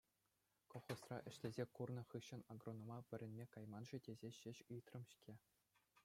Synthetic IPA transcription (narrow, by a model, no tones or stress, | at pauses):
koχosrɑ̰ʔɘ̆ɕlʲezʲekurnɤ̆χɯɕːɤ̆nɑɡronːŏmɑʋʲɘ̆ɾʲɘ̆nʲmʲekɑjmɑnʐɘ̆dʲezʲeɕɘ̆ɕɯjt̪rɤ̆mɕkʲʰe